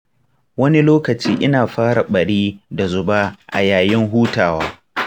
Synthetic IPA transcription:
wɐ˦ni˦loː˦kɐ˨t͡ʃiː˦ʔɪ˦naː˨ɸaː˦ɽa˨ɓɐ˨ɽiː˦da˨zʊ˨ba˦ʔa̰˨jaː˨jɪ˦ŋɦuː˦taː˨waː˦

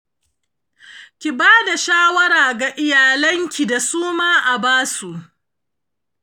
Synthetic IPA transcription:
kʲi˨baː˦da˨ʃaː˦wɐ˦ɾaː˨ɡa˨ʔɪ˦jaː˨lɐ˦ŋkʲi˨da˨suː˦maː˦ʔa˨baː˦su˨ʔ

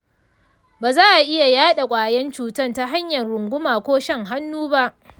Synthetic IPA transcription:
baː˨zaː˦ʔa˨ʔɪ˦ja˨jaː˦ɗa˨kʷʼaː˨jɛ˦nt͡ʃuː˨tɐ˦˨nta˦ɦa˦ɲjɐ˨nɽʊ˨ŋɡʷʊ˦maː˨kʷoː˦ʃɛ˦ŋɦa˦nːuː˦ba˦ʔ

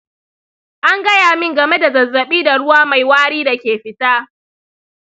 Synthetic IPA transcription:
ʔa˦ŋɡɐ˦jaː˨mɪ˦ŋɡɐ˨me˦da˨zɐ˨zːɐ˨ɓiː˦da˨ɽʊ˦waː˦ma˨jwaː˦ɽiː˦da˨kʲeː˨ɸɪ˦taː˦

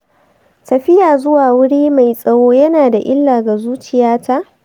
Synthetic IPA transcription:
tɐ˨ɸɪ˦jaː˨zʊ˦waː˨wʊ˦ɽiː˦ma˨jsʼɐ˦woː˦jɐ˦naː˨da˨ʔɪ˦lːaː˨ɡa˨zuː˦t͡ʃɪ˨jaː˦ta˦ʔ

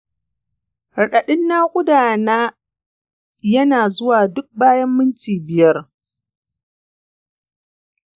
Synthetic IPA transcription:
ɽɐ˨ɗɐ˨ɗɪ˦nːaː˦kʷʼʊ˦daː˨naː˦ | jɐ˦naː˨zʊ˦waː˨dʊ˦k̚baː˦jɐ˦mːɪ˦nt͡ʃiː˨bɪ˨jɐ˦r

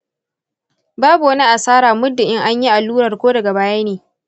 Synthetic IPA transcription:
baː˦bu˨wɐ˦ni˦ʔa˨saː˦ɾaː˨mʊ˦dːɪ˨ʔɪ˦ŋʔa˦ɲji˦ʔa˨lːuː˦ɾɐ˨rkʷoː˦dɐ˨ɡa˨baː˦jaː˦neː˨

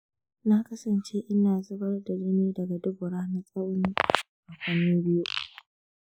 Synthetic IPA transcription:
na˦kɐ˦sɐ˨nt͡ʃe˦ʔɪ˦naː˨zʊ˦bɐ˦rdɐ˨d͡ʒe˦neː˦dɐ˨ɡa˨dʊ˦ɡʊ˨ɽaː˦na˦sʼɐ˦wniː˦ | ʔa˨kʷa˦miː˦bɪ˦jo˦

